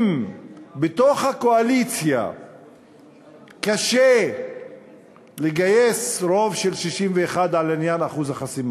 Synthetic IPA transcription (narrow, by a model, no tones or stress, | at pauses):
mbet̪o̞χhakoalit͡sja̰ | kaʃe | leɡaje̞sɾo̞vʃelʃiʃimveːχad̪ʕalanjanaχuzaχasima